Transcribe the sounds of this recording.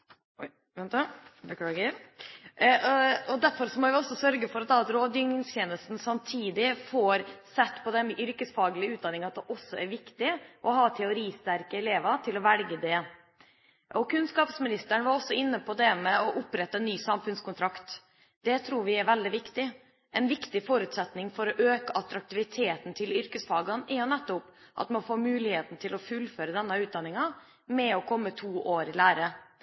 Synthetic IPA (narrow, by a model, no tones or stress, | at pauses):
nt̪bəkɑːɡə | ɔd̪æɾfɔɾsɔmɔʋɪɔsːɔsœɾɡəfɔɾɑt̪d̪ɑt̪ɾoːd̪jʏŋɪŋst̪jeːnəst̪n̩sɑmt̪ʰiːd̪ɪfɔɾsɛt̪ːpʰɔd̪ɛnʔʏɾkəsfɑːɡəlɪəʉːt̪d̪ɑnɪŋɑt̪d̪ɛʔɔsːɔæɾʋɪkt̪ɪʔɔɦɑːt̪ʰɛʊɾiːst̪æɾkəɛleːʋɑt̪ʰɪlɔʋɛlɡəd̪ɛ | ʔɔkʰʉnskɑːpsmɪnɪst̪əɳəʋɑɾɔsɔɪnːəpʰɔd̪ɛmɛɔʔʊpɾɛt̪ːəɛnːyːsɑmfʉnskʊnt̪ʰɾɑkt̪ | d̪̥ɛt̪ʰɾuːɾʋɪæɾʋɛld̪ɪʋɪkt̪ɪ | ʔɛnʋɪkt̪ɪfɔɾʉt̪sɛt̪nɪŋfɔɾɔʔøːkəʔɑt̪ɾɑk̚t̪ɪʋɪt̪ʰeːt̪n̩t̪ʰɪlʏɾkəsfɑːɡɑnʔɛɾjʊnɛt̪ːʊp | ʔɑ̰t̪mɑnfoːmʉːlɪheːt̪n̩t̪ʰɪlɔfʉlføːɾəd̪ɛnːəʉːt̪̚d̪ɑnːɪŋɑ | mɛɔkʰɔmːət̪ʰuːʔoːɾɪlæːɾə